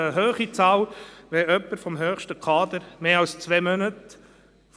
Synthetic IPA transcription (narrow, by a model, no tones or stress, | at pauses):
əɦøːχit͡sɑːlʋɛœpːəɾfɔmɦøːχʃtəkʰɑːd̪əɾmeːɑlst͡sʋɛːmœnət | f